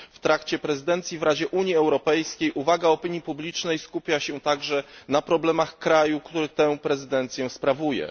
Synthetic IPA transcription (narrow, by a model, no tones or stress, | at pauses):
ft̪ɾakt͡ɕɛpɾɛzɘd̪ɛnt̪sʲjivɾad͡ʑɛʔuɲjiɛwɾɔpɛjskʲejʔuvaɡaɔpʲiɲjipublʲit͡ʂnɛjskupʲjaɕɛt̪aɡʐɛnapɾɔblɛmaxkɾajukt̪uɾɘt̪ɛ̃w̃pɾɛzɘd̪ɛnt̪sʲjɛspɾavujɛ̰